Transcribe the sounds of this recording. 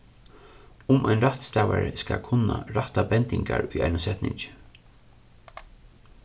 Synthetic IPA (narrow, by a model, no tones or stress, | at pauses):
ʊmʔajnɾaht̪st̪ɛːʋaɹəskakʰʊnːaɾaht̪abɛnt̪ɪŋkaɹʊjʔaɪnʊsɛt̪nɪɲt͡ʃ